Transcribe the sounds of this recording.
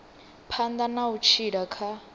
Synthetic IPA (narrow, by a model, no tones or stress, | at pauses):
pʰand̪anaut͡ʃʰiɺakʰa